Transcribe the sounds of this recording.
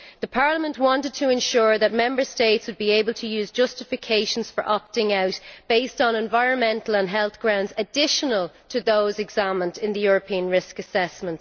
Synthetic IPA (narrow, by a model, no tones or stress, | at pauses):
ðəpʰɑɹləmə̃nʔwɑ̃ntɪd̚tʰəɪ̃nʃʊɹðət̚mɛ̃mbə˞steɪtswəd̚bieɪbəlˠtʰəjʉːzd͡ʒʌstɪfɪkʰeɪʃə̃nz̥fə̰˞ʔɑp̚tɪ̃ŋaʊtb̥eɪstn̩ɛ̃ɱvaɪɹə̃nmɛ̃ntˡl̩ˠə̃nɦɛlˠθɡ̥ɹãʊ̃ndzədɪʃənəlˠtʰəðoʊzɪɡzamə̃ndɪ̃nðəjʊɹəpʰĩə̃nɹɪskəsɛsmə̃nt